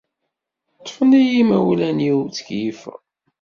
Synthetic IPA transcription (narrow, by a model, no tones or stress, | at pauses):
t̪ˤːfənijimæwlæniwt͡sə̥kjif